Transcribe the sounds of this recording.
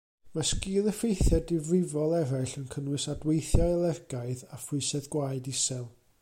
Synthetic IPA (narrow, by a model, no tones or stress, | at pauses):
maskiːlˠəfejθjadɪvrɪvɔlˠɛɾaɬənkʰənwɨsadwejθjalˠɛrɡaɨðafʊɨsɛðɡwaɨdɪsɛlˠ